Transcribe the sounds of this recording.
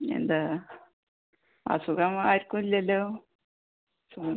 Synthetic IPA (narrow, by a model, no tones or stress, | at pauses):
ḛnd̪ɨ | a̰suɣɐmaːiɾikːumilːɐɐlːoː | suɡɐ